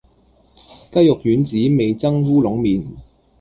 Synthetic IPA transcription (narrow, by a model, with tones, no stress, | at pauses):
kɐ˥jʊ˨k̚jyː˨˥nt͡siː˨˥me˨jt͡sɐ˥ŋhuː˥lʊ˨˥ŋmiː˨n